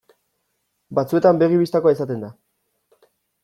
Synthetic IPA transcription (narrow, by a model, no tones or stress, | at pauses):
bat͡sue̞t̪ambe̞ɣiβist̪akoaesat̪e̞nd̪a